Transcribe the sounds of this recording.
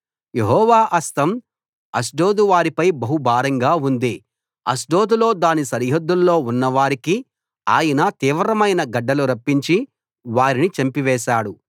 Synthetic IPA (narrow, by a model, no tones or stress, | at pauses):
jeɦɔːʋaːʔɐst̪ɐm | ɐs̬ɖoːd̪uʋaːɾipɐjbɐɦubʱaːɾɐŋɡaːund̪eː | ɐ̰sɖo̞ːd̪ulo̞ːd̪aːnisɐɾɦɐd̪ːulːo̞ːunːɐʋaːɾiki | aːjɐnɐt̪iːʋɾɐmɐjnɐɡɐɖːɐluɾɐpːiɲt͡ʃi | ʋaːɾinit͡ʃɐmpiʋɛːʃaːɽu